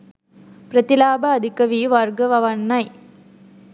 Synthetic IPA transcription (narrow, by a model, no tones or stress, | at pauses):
pɾɐt̪ɪlaːbɐːd̪ʱɪkɐʋiʋaɾɡɐʋɐʋɐnːɐɪ